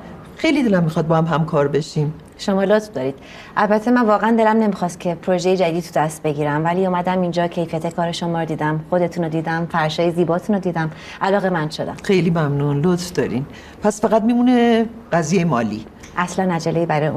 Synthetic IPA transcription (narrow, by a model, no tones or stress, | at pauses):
xejlid̪elæmːixɒːd̪̚bɒːhæmɦæmkʰɒːɾbe̞ʃiːm | ʃomɒːlot̪fd̪ɒːɾiːd̪̥ | ʔælbæt̪ʰːe̞mænvɒːɣeænd̪e̞læmne̞mixɒːst̪̚cʰe̞pʰɾoʒe̞jed͡ʒæd̪iːd̪t̪ʰud̪æst̪̚be̞ɟiːɾæmvæliːuːmæd̪æmind͡ʒɒːcʰe̞jfijæt̪ʰe̞kʰɒːɾeʃomɒːɾd̪iːd̪æmxo̞d̪e̞t̪ʰuːnod̪iːd̪æmfæɾʃɒːjeziːbɒːt̪ʰuːnod̪iːd̪æm | ʔælɒːɣe̞mænd̪̥ʃod̪æ̰mxejliːmæmnunlot̪fd̪ɒ̰ːɾḭm | pʰæsfæɣæt̪̚miːmuneɢ̥æzijejemɒːlḭ | ʔæslænæd͡ʒælejiːbæɾɒːjeu